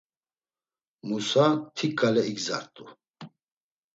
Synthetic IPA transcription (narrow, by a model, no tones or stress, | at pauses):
musat̪ʰikʰʼːalɛiɡza̰ɾt̪ʼu